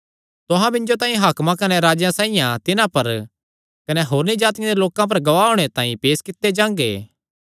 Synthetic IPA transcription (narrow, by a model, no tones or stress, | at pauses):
t̪ʊɦãbɪ̃nd͡ʒot̪ãːĩɦaːkmãkɐnɛɾaːd͡ʒjãsaːijãt̪ɪnãpɐɾ | kɐnɛɦoːɾnid͡ʒaːt̪ɪjãd̪eloːkãp̬ɐɾɡɐʋaːɦoːɽ̃et̪ãːḭ̃peːskɪt̪ːed͡ʒãːŋɡḛː